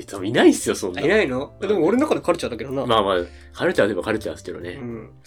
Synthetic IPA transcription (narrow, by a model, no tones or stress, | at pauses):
e̥t͡saminaisɨjo̞sõ̞nːainainojad̪emoːɾenakad̪kaɾɯ̟t͡ɕat̪ːaked̪onamaːmaː | kʰaɾɯ̟t͡ɕat̪oibakaɾɯ̟t͡ɕasɨ̥ked̪o̰neɯ̃